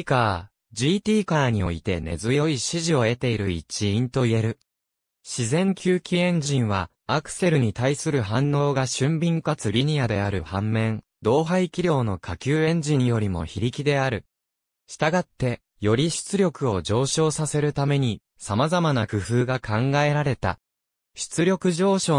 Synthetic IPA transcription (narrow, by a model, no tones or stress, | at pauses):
kaː | d͡ʑiːt̪ʲiːkaːɲ̟io̞̰it̪e̞ne̞̰zɨjo̞iɕiʑio̞e̞t̪e̞iɾɯ̟it͡ɕiĩnt̪o̞ie̞ɾɯ̟ | ɕizẽ̞ŋkʲʰɨːkʲiẽ̞ɲ̟d͡ʑĩɰ̃βaː | kɯ̟̥se̞ɾɯ̟ɲ̟it̪aisɨɾɯ̟ɦãnːo̞ːɡaɕɨ̃mbʲĩŋkat͡sɨɾʲiɲ̟iad̪e̞aɾɯ̟hãmːẽ̞n | d̪o̞ːɦaikʲiɾʲo̞ːno̞kʰakʲɨːẽ̞ɲ̟d͡ʑĩɰjo̞ɾʲimo̞̰çiɾʲikʲid̪e̞aɾɯ̟ | ɕi̥t̪aɡat̪ːe̞ | jo̞ɾʲiɕɨ̥t͡sɨɾʲo̞kɯ̟o̞d͡ʑo̞ːɕo̞ːsase̞ɾɯ̟t̪ame̞ɲ̟i | samazamanakɯ̟ɸɯ̟ːɡakʰãŋɡae̞ɾaɾe̞t̪a̰ | ɕɨ̥t͡sɨɾʲo̞kɯ̟ʑo̞ːɕo̞ː